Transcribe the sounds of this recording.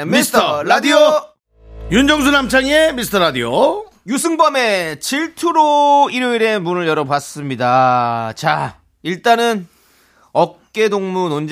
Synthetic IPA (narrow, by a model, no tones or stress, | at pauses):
misstʰʌɾadio | jund͡ʑʌŋs̬ʰunamt͡ɕʰaŋemisɯ̥tʰʌɾadio | jusʰɯŋbʌme̞t͡ɕiɭtʰuɾoiɾjoiɾe̞munɯɭjʌɾʌbas͈ɯmɲidat͡ɕa | iɭt͈anɯn | ʌk̚k͈e̞doŋmunond͡ʑ